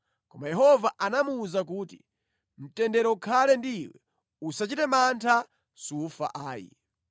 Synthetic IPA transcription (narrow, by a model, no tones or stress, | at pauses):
kɔmajɛɦɔvaʔanamuːzakuːti | m̩tɛndɛɾɔukʰalɛndiːwɛ̰ | usat͡ʃitɛmantʰa | sufa̰ʔaːjḭ